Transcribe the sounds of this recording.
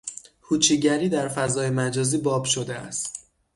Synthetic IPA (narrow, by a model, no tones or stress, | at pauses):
hʰuːt͡ʃʰiːɟæɾiːd̪æɾfæzɒːjemæd͡ʒɒːziːbɒːbʃo̞d̪eæ̰st̪